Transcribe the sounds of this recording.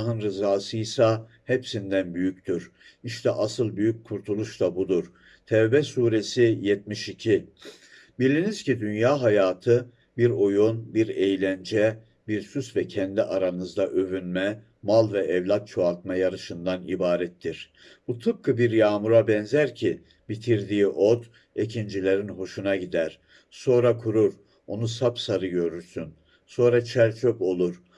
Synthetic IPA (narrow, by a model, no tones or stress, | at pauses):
ɦɯnɾɯzaːsɯjsa | hɛpsind̪ænbyjyct̪ʰyɾiʃt̪ʰɛʔasɯlˠbyjyc̚kʰːuɾt̪ʰulˠuʃt̪abud̪uɾ̥ | t̪ʰɛvbɛsuːɾesijɛt̪̚miʃicʰi | bilʲiniz̥cʰid̪ynjaːɦajaːt̪ʰɯ | biɾo̞jonbiɾejlʲænd͡ʒɛ | biɾsysvɛcʰɛnd̪iʔaɾanɯzd̪aʔøvynmɛ | malˠvɛʔɛvlʲat̪̚t͡ʃʰo̞at̪̚majaɾɯʃɯnd̪anḭbaːɾɛt̪ʰːiɾ̥ | b̥ut̪ʰɯp̚kʰɯbiɾjaːmuɾabɛnzæɾcʰi | bit̪ʰiɾd̪iːiʔod̪ | ecʰind͡ʒilʲeɾinɦo̞ʃunaɟid̪æɾ̥ | so̞nɾakʰuɾuɾ | o̞nusapsaɾɯɟø̞ɾyɾsyn | so̞nɾat͡ʃʰæɾt͡ʃʰøpo̞lˠuɾ